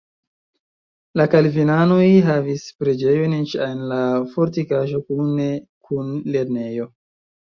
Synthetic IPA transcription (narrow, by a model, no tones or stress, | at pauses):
lakalvinanojɦavispɾe̞d͡ʒe̞jont͡ʃanlafo̞ɾtikaʒo̞kunekʰunle̞ɾne̞jo̞